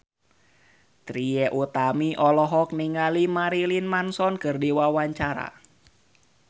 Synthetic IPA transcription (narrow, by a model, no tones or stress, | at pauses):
t̪ɾiɛʔut̪amiʔɔlɔɦɔk̚niŋalimaɾilinmansɔnkərdiwawaɲt͡ʃaɾa̰